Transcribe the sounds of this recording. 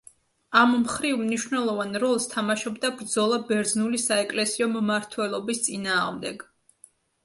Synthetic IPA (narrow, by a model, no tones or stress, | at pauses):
ammχɾivmniʃwvnɛlˠɔvanɾɔlˠst̪ʰamaʃɔbd̪abɾd̪zɔlˠabɛɾd̪znulisaɛkʼlɛsiɔmmaɾt̪ʰwɛlˠɔbist̪sʼinaːʁmd̪ɛɡ